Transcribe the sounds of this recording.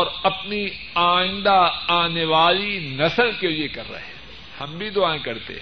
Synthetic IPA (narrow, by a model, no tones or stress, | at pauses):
ɔːɾɐpni | aːɪ̃nd̪aaːneʋaːlinɐsəlkeliekɐɾːɐ̰ɦɛ | hɐ̃mbʱid̪ʊaːẽkɐɾt̪ḛɦ